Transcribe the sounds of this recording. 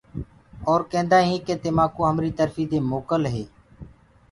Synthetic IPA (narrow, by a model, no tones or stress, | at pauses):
oːɾkẽːnd̪aːɦĩːkeːt̪eːmaːkõːɦəmɾiːt̪əɾfiːd̪eːmoːkəlɦeː